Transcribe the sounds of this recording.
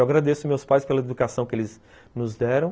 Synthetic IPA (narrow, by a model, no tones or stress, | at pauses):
waɡɾad̪esʊmewspajspelɐed̪ukasɐ̃w̃kɪelɪz | nʊzd̪ɛɾɐ̃w̃